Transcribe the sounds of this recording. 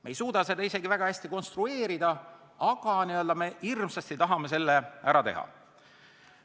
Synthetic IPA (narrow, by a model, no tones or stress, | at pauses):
mejsuːd̪̥ɑse̞d̪ɑise̞ɡivæɡ̥ɑæsʲt̪iko̞nst̪rue̞ːɾid̪̥ɑ | ɑɡ̥ɑniøld̪ɑme̞hirmsɑst̪it̪ɑɦɑme̞s̬e̞lːeæɾɑt̪e̞̰ɦɑ̰